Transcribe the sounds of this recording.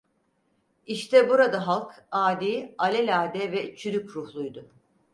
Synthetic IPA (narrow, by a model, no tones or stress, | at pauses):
iʃt̪ʰɛbuɾad̪aɦalˠkaːd̪iːalʲɛlʲaːd̪ɛvɛt͡ʃʰyɾykɾuhlˠujd̪ʊ